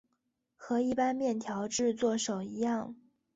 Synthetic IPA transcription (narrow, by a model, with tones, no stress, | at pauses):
xɤ˧˥i˥˩pa˥nmjɛ˥˩nt̪ʰjɑ˧˥ʊʈ͡ʂɻ̩˥˧t͡swɔ˥˩ʂo˨˩ʊi˧˥jɑ˥˩ŋ